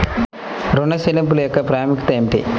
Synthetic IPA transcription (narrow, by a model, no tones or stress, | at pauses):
ɾuɳːɐsilɐmpuljokːɐpɾaːjmikt̪ɐemʈḭ